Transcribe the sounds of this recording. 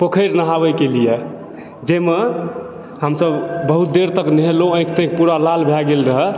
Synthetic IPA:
pəkʰəjɾnaɦabəjkelije | d͡ʒeme | ɦəmsəbbəɦut̪̚d̪eɾt̪əknəɦelõə̃jkt̪ə̃k̚puɾalalbʱjaɡelɾəɦɛ

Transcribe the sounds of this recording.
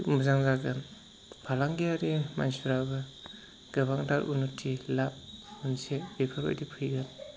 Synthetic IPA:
muzaŋzaɡɯn | pʰalaŋɡijaɾima̰nsuɾabɯ | ɡ̥ɯbaŋdaɾʔṵnɔtʰilap̚unsebepʰaɾo̰jdipʰɯjɡɯn

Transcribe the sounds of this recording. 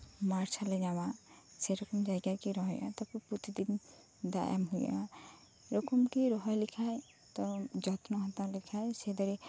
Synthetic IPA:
maɾt͡ʃʰalɛɲawaseɾɔkɔmd͡ʒajɡakiɾɔɦɔjʔa̰t̪ɔpuput̪ʰid̪in | d̪a̰ja̰mɦuja̰ | ɾɔkɔmkiɾɔɦɔjlikʰaj | t̪ɔd͡ʒɔt̪nɔɦɔ̃t̪aɾlikʰajsɛd̪ɔɾe

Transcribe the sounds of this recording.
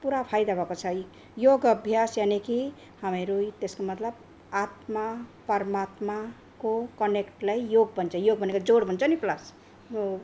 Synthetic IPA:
puɾapʰajd̪abʱʌkot͡sʰʌj | joɡʌbʱjasjaneki | hameɾujt̪eskomʌt̪lʌb | at̪mapʌɾmat̪ma | kokʌnekʈlajjoɡ̚bʱʌnt͡sʰʌjoɡbʌnekad͡zoɽbʱʌnt͡sʰʌniplas

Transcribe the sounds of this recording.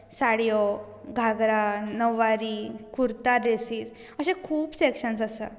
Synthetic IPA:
saɽjɔ | ɡʱaɡɾanəʋaɾikuɾt̪aɾesiːs | əɕẽkʰuːbsekʂəns̬əsa̰

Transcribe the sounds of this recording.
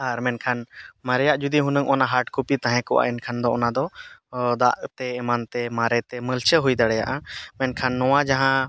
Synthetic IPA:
aɾmɛnkʰanmaɾɛjaʔd͡ʒud̪iɦunəŋʔɔnaɦaɾʈkupit̪ãɦɛ̃kɔwa̰ʔɛnkʰand̪ɔɔnad̪ɔd̪aʔt̪ɛɛmant̪ɛmaɾɛt̪ɛməlt͡ʃəɦujd̪aɽɛjaʔamɛnkʰanːɔwad͡ʒaɦã

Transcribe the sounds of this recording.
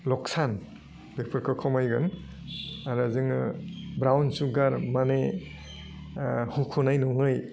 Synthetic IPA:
lɔksan | b̥epʰɔɾkʰɯkʰɔmajɡɯn | aɾazɯŋɯ̰bɾawnsuɡaɾmane | hukʰunajnɔŋɯj

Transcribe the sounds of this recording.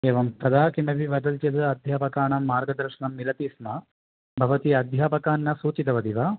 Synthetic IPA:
eːʋɐmt̪ɐd̪aːkiɳɖɐʋiʋɐd̪ɐlt̪jɐd̪ɐɐd̪ʱjaːpɐkaːɳɐmːaːɾɡɐd̪ɐɾʃɐɳɐmːilɐt̪iːsmɐ | bʱɐʋɐt̪iɐd̪ʱjaːpɐkaːnːɐsuːt͡ʃit̪ɐʋɐd̪iʋa

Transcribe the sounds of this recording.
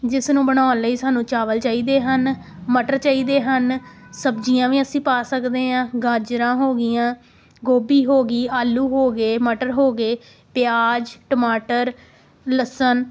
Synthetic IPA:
d͡ʒɪsnũːbəɽ̃aːnliːsaːnũːt͡ʃaːʋəlt͡ʃaːiːd̪eːɦən | məʈəɾt͡ʃaːiːd̪eːɦənsəbd͡ʒijãːʋiːəsĩːpaːsəkd̪eːãːɡaːd͡ʒɾãːɦoːɡɪjãː | ɡoːbiːɦoːɡiːaːlːuːɦoːɡeːməʈəɾɦoːɡeː | pɪjaːd͡ʒʈəmaːʈəɾ | ləsən

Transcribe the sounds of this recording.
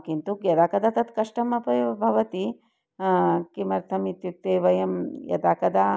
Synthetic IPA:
kint̪ukjɐd̪aːkɐd̪at̪ɐt̪kɐʂʈɐmɐpɐjbʱɐʋɐt̪i | kimɐɾt̪ʰɐmit̪jut̪eːʋɐjɐmjɐ̰d̪aːkɐd̪aː

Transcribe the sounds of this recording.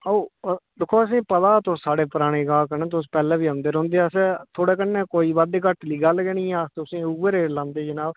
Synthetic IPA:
oːd̪ɪkʰːoːəsĩːpət̪aːt̪ossaːɽeːpəɾaːɽ̃eːɡãːkənẽːt̪ʊs̬pɛːlɛ̃ːʋiːãːnd̪eːɾõːnd̪eːset̪ʰoːɽeːkənːẽːkoːiːʋəd̪kəʈliːɡaːlɡɛːnĩːaːst̪ʊsĩːuəɾeːɽlãːnd̪eːd͡ʒɪnaː

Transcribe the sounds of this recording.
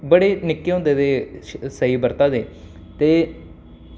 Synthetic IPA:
bəɽeːnɪkːeːɦõːnd̪eːd̪eːsəiːbəɾt̪aːd̪eː | t̪eː

